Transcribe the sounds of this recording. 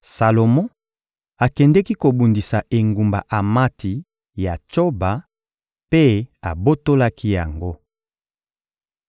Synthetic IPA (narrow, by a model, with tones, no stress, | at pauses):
sa˨lo˨mɔ̃˦ | a˨kɛ˨ndɛ˦ki˦ko˨bu˨ndi˨sa˨ʔe˨ŋɡu˨mba̰˨ʔa˨ma˦tʰi˨ | ja˨t͡ʃo˦ba˨ | pe˦a˨bo˦to˦la˦ki˦ja˨ŋɡo˦